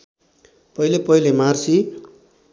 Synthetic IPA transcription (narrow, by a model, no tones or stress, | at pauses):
pʌilepʌilemarsi